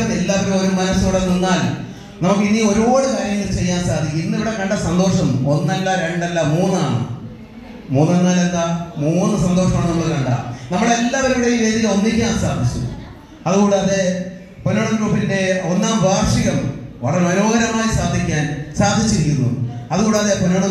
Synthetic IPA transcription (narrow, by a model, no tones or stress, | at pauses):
nelːaːʋɐɾumo̞ɾumɐnɐsuːɽenunːaːl | nɐmukːɨiniːo̞ɾo̞ːɽukaːɾjɐŋːɐlt͡ɕe̞jːaːnsaːd̪ʱikʲːinːiʋiɽekɐɳɖɐsɐnd̪o̞ːʂɐmo̞nːɐlːaɾe̞ɳɖɐlːamuːnːɨaːɳɨ̰ | muːnːɐnːaːlɐnːɐmuːnːɨsɐnd̪o̞ːʂɐmaːɳɨnɐmːɐɭkɐɳɖɐ̰nɐmːuɽeelːɐʋɐɾuɽejiʋe̞ːd̪iɣɐo̞nːikʲːaːnsaːd̪ʱit͡ɕːṵ | ɐðuɣoɳɖɐðe | punɐɳɐɡruːpːinde̞o̞nːaːmbʱaːrʂiɣɐmʋɐ̰ɭɐɾemɐno̞ːɡɐɾɐmaːjisaːd̪ʱikʲːaːnsaːd̪ʱit͡ɕːiɾikʲːunːṵɐðuɣoːɳɖɐðepunɐɳɐ